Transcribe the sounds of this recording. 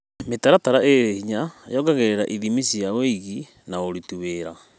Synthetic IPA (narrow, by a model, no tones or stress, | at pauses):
metaɾataɾaʔeɾehiɲajɔɡaɣeɾeɾaʔiðimisiaeiɣi | naoɾituβeɾa